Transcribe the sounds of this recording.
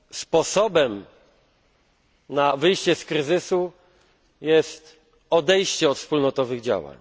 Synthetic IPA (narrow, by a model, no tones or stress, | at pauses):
spɔsɔbɛm | navɘjɕt͡ɕɛskɾɘzɘsu | jɛst̪ | ɔd̪ɛjɕt͡ɕɛɔt̪fspulnɔt̪ɔvɘɣd͡ʑa̰wa̰ɲ